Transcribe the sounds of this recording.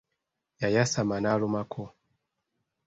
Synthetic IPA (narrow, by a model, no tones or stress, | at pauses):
jajasamanalumakʰɔ